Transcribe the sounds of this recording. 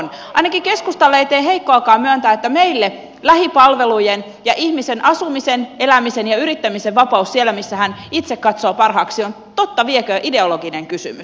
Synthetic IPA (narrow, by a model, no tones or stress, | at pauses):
nɑinɑkike̞skust̪ɑlːeit̪eːɦeikːoɑkɑːmmyænt̪æːet̪ːæmeilːe | læhipɑlʋelujen | jɑʔihmisenʔɑsumisenʔelæmisenjɑyɾit̪ːæmiseʋʋɑpɑussielːˑæmisːæhænit̪sekkɑt̪soːpɑrɦɑːksion | t̪ot̪ːɑʋiekøʔide̞oloɡineŋkysy̰mys